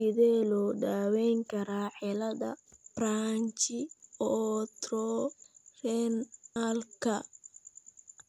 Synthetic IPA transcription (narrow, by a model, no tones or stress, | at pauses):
ɪðɛːlɔːɖaːwɛjŋkʰɐɾaːħɛlɐðɐ̰b̥raːɲt͡ʃɪɔt̪ɾɔːrɛnalkʰɐ